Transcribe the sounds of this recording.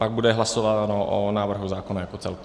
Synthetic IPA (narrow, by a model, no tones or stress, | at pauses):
paɡ̚budɛɦlasovat̪anoʔo̰naːvr̩ɦuzaːkonajakot͡sɛ̰lk